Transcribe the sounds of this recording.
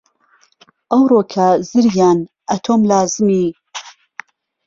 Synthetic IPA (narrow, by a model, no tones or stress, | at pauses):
ʔɐwrokʰɐzɨɾjaːn | ʔɐt̪ʰoːmlaːzɨmi